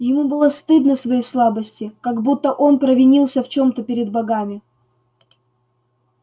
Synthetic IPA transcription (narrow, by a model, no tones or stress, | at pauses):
jɪmubɨlˠast̪ɨd̪nəsvɐjejslˠabəsʲtʲɪkaɡbut̪ːəʔo̞npɾəvʲɪnʲilˠsʲəft͡ɕo̞mt̪əpʲɪɾʲɪd̪bɐɡamʲɪ